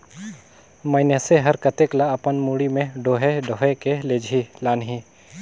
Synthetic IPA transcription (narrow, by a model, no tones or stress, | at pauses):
məɪneseɦəɾkət̪eklaɐpənmuɽimẽɖoːɦeɖoɦekeleːd͡ʒʱilaːnɦiː